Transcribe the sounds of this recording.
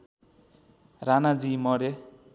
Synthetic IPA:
ranad͡zimʌɾe

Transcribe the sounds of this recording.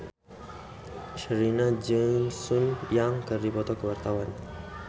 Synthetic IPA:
ʃəɾinad͡ʒənsunjaŋkəribɔt̪ɔkəwart̪awan

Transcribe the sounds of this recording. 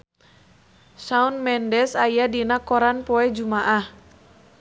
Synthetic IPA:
saunmɛndɛsajadinakɔɾanpɔɛd͡ʒumaʔah

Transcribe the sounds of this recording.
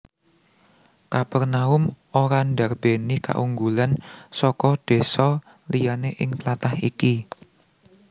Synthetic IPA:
kapɛrnaʊm | oɾanɖa̤rb̥enika̰ʔuŋɡulansɔkɔd̪̥e̤sɔ | lijaneʔɪŋt̪lat̪ahiki

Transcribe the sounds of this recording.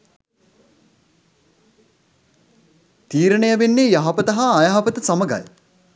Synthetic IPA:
t̪iːɾənəjəʋenːejaɦɐpət̪ɐɦaːjaɦapət̪əsaməɡa̰j

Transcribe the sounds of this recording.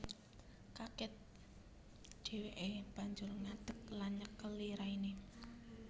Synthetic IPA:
kakɪt̪̚ | ɖ̥e̤weʔeb̥a̤ɲd͡ʒʊrŋad̪̥ə̤k̚lanɲəkːəlːiɾaini

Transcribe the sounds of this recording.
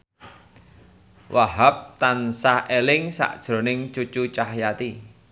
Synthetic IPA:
wʔaɦap̚t̪ansahelɪŋsa̰ʔd̥ʒ̥ɾo̤nɪŋt͡ʃut͡ʃut͡ʃahjat̪i

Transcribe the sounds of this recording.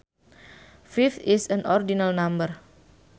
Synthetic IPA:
fift̪isə̃nʔɔrdinalnãmbər

